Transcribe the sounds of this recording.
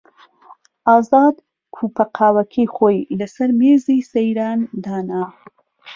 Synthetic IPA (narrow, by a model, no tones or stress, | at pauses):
ɑːzɑːd̪ | kʰupaqʰɑːwakʰexojlasaɾmezisajɾɑːnd̪ɑːnaː